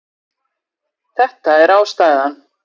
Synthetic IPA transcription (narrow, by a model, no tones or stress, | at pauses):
θɛht̪aɛɾaːwst̪aːjðan